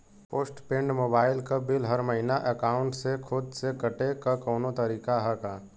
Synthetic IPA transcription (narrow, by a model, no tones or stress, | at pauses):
poːsʈpẽɳɖmoːbaːɪlkabɪlɦəɾməɦɪnaʔəkaːʊ̃ɳʈsekʰʊd̪sekɐʈekakɔːnot̪əɾiːkaɦɛkaː